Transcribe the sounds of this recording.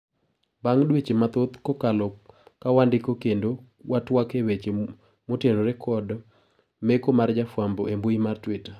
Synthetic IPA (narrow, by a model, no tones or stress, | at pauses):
baŋdwet͡ʃemat̪ot̪kokalɔkːawandɪkokendo | watwakewet͡ʃe | motenoɾekʰɔd | mekomard͡ʒafwamboemboimartwɪta